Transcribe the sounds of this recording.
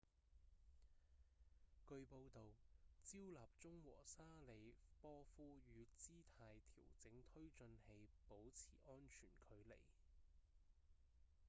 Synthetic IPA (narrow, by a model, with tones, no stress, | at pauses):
kɵ˧ɥpo˧wt̪o˨wt͡siː˥wlaː˨˩p̚t͡sʊ˥ŋwɔ̰ː˨˩saː˥le˨˧jpɔː˥fuː˥jyː˨˧t͡siː˥t̪ʰaː˧jt̪ʰḭː˨˩wt͡sɪ˨˥ŋt̪ʰɵ˥ɥt͡ʃɵ˧nhe˧jpo˨˥wt͡sʰiː˨˩ʔɔː˥nt͡ʃʰyː˨˩nkʰɵ˨˧ɥlḛ˨˩j